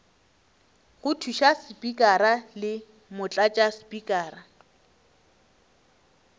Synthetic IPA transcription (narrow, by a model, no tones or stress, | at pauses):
ɣʊtʰuʃasɪpʼikʼaɾalɪ | mʊt͡ɬʼat͡ʃʼasɪ̥pʼikʼaːra